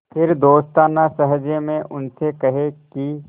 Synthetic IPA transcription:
pʰɪɾd̪oːst̪aːnasəɦd͡ʒemẽʔʊnsekɐɦeki

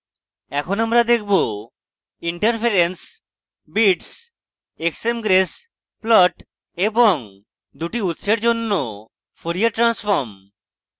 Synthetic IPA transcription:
ɛkʰonamɾad̪ekʰbo | iɳʈaɾpʰeɾens | biʈs | eksemɡɾes | plɔʈ | eboŋ | d̪uʈiut̪ːʃeɾd͡ʑonːo | foɾijaʈɾansfoɾm

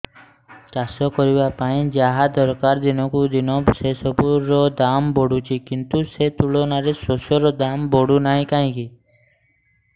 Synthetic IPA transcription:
kasɔkɔɾibapaĩd͡ʒaɦad̪ɔɾkaɾd̪inɔkud̪inɔbsesɔpuɾːɔd̪ambɔɽut͡ʃʰikint̪uset̪uɭɔnaɾesosɔɾɔd̪ambɔɽunaɦĩkaɦĩki

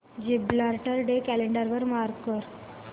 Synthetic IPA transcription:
d͡ʑiblaɾʈəɾɖekæleɳɖəɾʋəɾmaɾkkəɾ

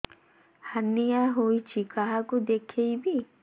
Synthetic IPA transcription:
hanːijaɦojt͡ʃʰikaɦakud̪ekʰejbi

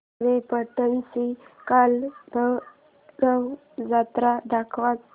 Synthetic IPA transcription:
ʋepəʈ̪ənsikalbʱə | ɾəw | d͡zat̪ɾad̪akʰʋat͡s

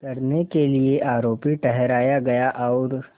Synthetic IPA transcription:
kɐɾnekelieʔaːɾoːpiʈɛɦɾaːjaɡɐjaʔɔːɾ

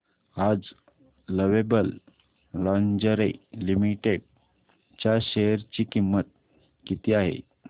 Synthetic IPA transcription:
ad͡z | ləʋebəl | lɔ̃nd͡ʑəɾelimiʈeɽ | t͡ɕjaɕeɾt͡ɕikimːət̪̚ | kit̪iaɦḛ

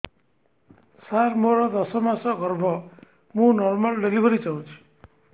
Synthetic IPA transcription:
saɾmoɾʌd̪ʌsʌmasʌɡʌrbʱʌ | mũnɔrmalɖelibʱʌɾit͡saw̃t͡ʃʰu̥

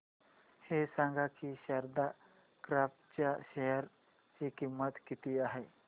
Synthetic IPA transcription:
hesãŋɡʱakiɕəɾd̪a | kɾapt͡ɕjaɕejəɾ | t͡ɕikimːət̪kit̪iːaɦe

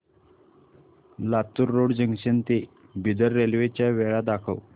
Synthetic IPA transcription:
lat̪uɾːoɽd͡ʑəŋɡɕent̪e | bid̪əɾːelʋet͡ɕjaʋeɭad̪akʰəw

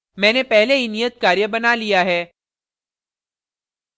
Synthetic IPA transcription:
mɛ̃ːnepɛɦleɦinijət̪̚kaːɾjəbɐnalijaɦɛː

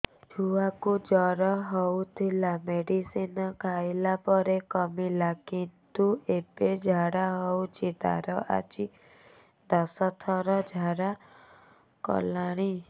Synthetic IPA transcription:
d͡ʒʱuakud͡ʒɔɾɔɦɔwt̪ʰilameɽisinɔkʰajlapɔɾekɔmilakint̪ueped͡ʒʱaɽaɦɔwt͡ʃʰit̪a̰ɾɔʔa̰t͡ʃi | d̪ɔsɔt̪ʰɔɾɔd͡ʒʱaɾa | kɔ̰laɽ̃i

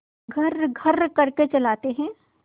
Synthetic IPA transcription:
ɡʱɐɾɡʱɐɾkɐɾket͡ʃɐlaːt̪eɦɛ̃ː

